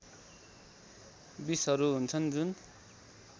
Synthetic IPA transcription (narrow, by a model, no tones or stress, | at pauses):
bisɦʌɾuɦunt͡sʰʌnd͡zun